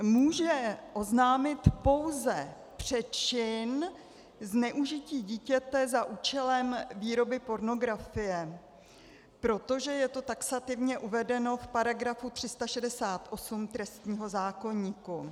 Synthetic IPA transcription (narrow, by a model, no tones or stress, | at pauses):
muːʒɛʔo̞znaːmɪt̪po̞wzɛ | pr̝̥ɛt͡ʃɪn | znɛʔuʒɪciːɟiːcɛt̪ɛzaʔuːt͡ʃɛlɛmviːɾo̞bɪpo̞ɾno̞ɡɾafɪjɛ | pɾo̞t̪o̞ʒɛjɛt̪o̞t̪aksat̪ɪvɲɛʔuvɛdɛno̞fpaɾaɡɾafut̪r̥ɪst̪aʃɛdɛsaːt̪ʔo̞sumt̪ɾɛst̪ɲiːɦo̞zaːko̞ɲiːku